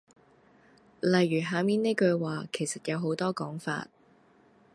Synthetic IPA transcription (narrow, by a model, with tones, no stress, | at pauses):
lɐ˨jːyː˨˩ɦaː˨˥miː˨˥ne˥jkɵ˧ɥwaː˨kʰe˨˩jsɐ˨t̚jɐ˨˧wɦo˨˥wt̪ɔː˥kɔː˨˥ŋfa̰ː˧t̚